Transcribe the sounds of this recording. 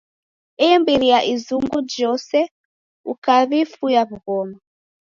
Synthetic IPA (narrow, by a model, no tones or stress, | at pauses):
ɛɛmbiliaʔizuŋɡud͡ʒɔsɛ | ukaβifujaβuɣɔma